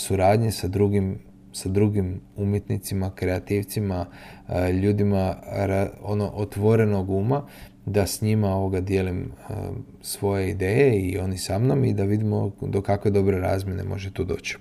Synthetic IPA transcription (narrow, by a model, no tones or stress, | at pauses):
suɾaːd̪ɲesad̪ɾuɡim | sad̪ɾuɡimumje̞t̪nit̪simakɾe̞at̪iʋt̪sima | ʎuːd̪imaɾaonoʔot̪ʋo̞ɾe̞no̞ɡuːma | d̪asɲimao̞ʋo̞ɡad̪je̞limə̰ | sʋo̞je̞id̪e̞ːje̞io̞nisamno̞mid̪aʋid̪imod̪okakʋe̞d̪o̞bɾe̞ɾa̰ːzmʲje̞ne̞̰mo̞̰ʒet̪uːd̪o̞̰ːt͡ɕi̥